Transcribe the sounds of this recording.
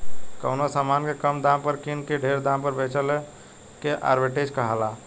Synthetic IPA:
kəʊnosamankekəmd̪ampəɾkinkeɖʱeɾd̪ãmpəɾbʱet͡ʃəl | keʔa̰ːɾbeʈed͡ʒkəɦala

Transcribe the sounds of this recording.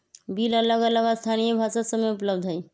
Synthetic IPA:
bʱilələɡələɡast̪ʰanijebʱasət̪səmeupləbd̪ʱɦəi

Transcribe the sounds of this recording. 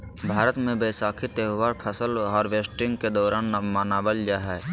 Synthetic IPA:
bʱaːɾət̪mẽbeːsaːkʰɪt̪eːʋaːɾpʰəsəlɦɔːɾʋeːsʈɪ̃ŋɡked̪ɔːɾaːnːəmaːnaːbəld͡ʒaɦɛː

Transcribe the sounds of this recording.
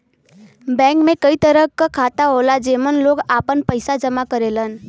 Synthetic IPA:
bɛ̃ːkmẽkəit̪əɾəkːakʰaːt̪aɦolad͡ʒeːmənloːɡaːpənpəɪsad͡ʒəmakəɾelən

